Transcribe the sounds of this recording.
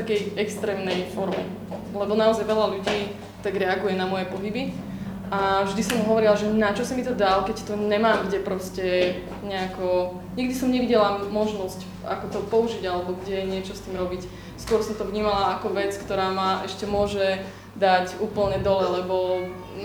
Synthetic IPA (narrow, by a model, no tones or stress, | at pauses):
akɛjɛkst̪ɾɛːmnɛjfɔɾmɛ | lɛbɔnaɔzajʋɛlaluɟiː | t̪aɡɾɛaɡujɛnamɔjɛpɔɦibi | ʔavʒd̪isɔmuɦɔʋɔɾilaʒɛnat͡ʃɔsimit̪ɔd̪alkɛct̪ɔɲɛmaːmɡɟɛpɾɔscɛ | ɲɛakɔ | ɲiɡd̪isɔmɲɛʋiɟɛlamɔʒnɔsc | a̰kɔt̪ɔpɔuʒiɟalɛbɔɡɟɛjɛɲɪɛt͡ʃɔst̪iːmɾɔbic | skʊɔɾsɔmt̪ɔvɲiːmalaakɔʋɛt͡skt̪ɔɾaːmaʔɛʃcɛmʊɔʒɛ | d̪acuːpl̩ɲɛd̪ɔlɛlɛbɔ